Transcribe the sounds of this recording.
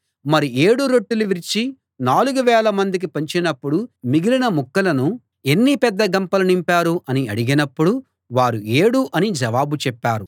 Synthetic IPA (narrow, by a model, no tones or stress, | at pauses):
mɐɾie̞ːɽuɾoʈːuluʋiɾt͡ʃi | naːluɡuʋɛːlɐmɐnd̪ik̬ipɐɲt͡ʃinɐpːuɽumiɡilinɐmukːɐlɐnu | e̞nːipɛd̪ːɐɡɐmpɐlɐnimpaːɾuʔɐniɐɽiɡinɐpːuɽu | ʋaːɾue̞ːɽuʔɐnid͡ʒɐʋaːbut͡ʃɛpːaːɾu